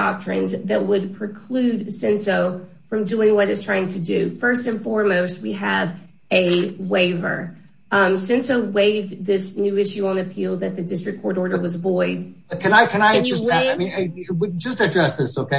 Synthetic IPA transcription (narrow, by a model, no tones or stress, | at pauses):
ɑ̰k̚tɹ̥ɨ̰̃nzðɨt̚wəd̚pʰɹ̥ɨkʰl̥ʉdsɛ̃nsoʊ | fɹʌ̃mdʉɪ̃ŋwʌɾɨtstʰɹ̥aɪɪ̃ŋtʰɨdɨfɜ˞stɨ̃nfɔɹmoʊst̚wiɨv | ɨweɪvə̰˞ | sɛ̃nsoʊweɪvðɪsnʉɪʃʉə̃nɨpʰilˠðɨt̪̚ðɨdɪstɹ̥ɨkʰɔɹɾɔɹɾə˞wʌzəvɔɪd̚ | ʌkʰɨ̃naɪkʰɨ̃naɪd͡ʒʌsɪmĩnwd͡ʒʌstɨdɹɛsðɪsoʊkeɪ